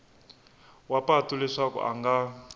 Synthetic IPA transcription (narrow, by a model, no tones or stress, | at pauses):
wapatulɛʂakɔ̰ʔa̰ŋɡa